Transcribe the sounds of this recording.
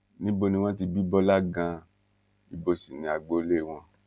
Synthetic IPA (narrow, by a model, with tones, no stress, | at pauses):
nĩ˦bo˧nĩ˧w̃ɔ̃˦ti˧bi˦bɔ˦la˦ɡã˧ | i˧bo˧si˨nĩ˨˧a˧ɡ͡bo˧˦le˦˨w̃ɔ̃˧